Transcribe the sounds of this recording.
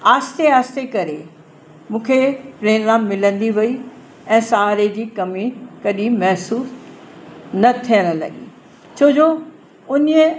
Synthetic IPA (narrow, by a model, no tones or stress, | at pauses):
aːst̪eaːst̪ekɐɾe | mũːkʰepɾeːɡɾãːmːɪlə̃nd̪iʋɐi | ɛ̃ːsaaːɾed͡ʑiːkɐmikɐɗimɐɦsuːs | nɐt̪ʰijə̃ɽ̃̆lɐ̰ɠḭː | t͡ɕʰoːd͡ʑoː | ʊniə